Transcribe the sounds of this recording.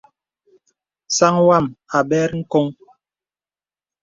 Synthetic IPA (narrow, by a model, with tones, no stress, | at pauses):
sa˦ŋwa˦˨ma˨bɛ˦ɾŋ̩˦ko˦ŋ